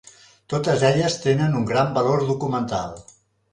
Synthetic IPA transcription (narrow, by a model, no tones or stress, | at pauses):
t̪ot̪əzɛʎəst̪enənuŋɡɾambəloɾðukumənt̪a̰lˠ